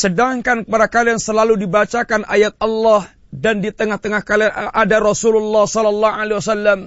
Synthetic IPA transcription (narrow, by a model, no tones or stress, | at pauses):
sədaŋkankəpaɾakaliaŋsəlaludibat͡ʃakanʔajat̪̚ɑlːah | dandit̪əŋaht̪əŋahkaliaʔadaɾɔsululːahsɔlɔlːaalewasalːam